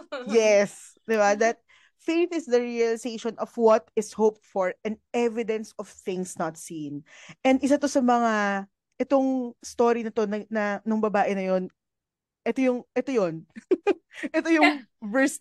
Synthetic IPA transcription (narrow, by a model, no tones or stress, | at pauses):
jɛs | d̪ɪbad̪ɐt̪̚ | feɪθɪsd̪ɐɹiɐlɪseɪʃɔnɔvwɐt̪ɪshowp̚t̪̚fɔɹɐ̃nɛvɪd̪ɛ̃nsɔv̥θɪ̃ŋsnɐt̪sĩnʔɛ̃nd̪ɪs̬at̪o̞sɐmɐŋa | ʔɛt̪oŋst̪o̞ɾinɐt̪o̞nɐnɐnʊŋbɐbaːʔɪnɐjo̞n | ʔɛt̪ojʊŋʔɛt̪ojon | ʔɛt̪ojʊŋvɛs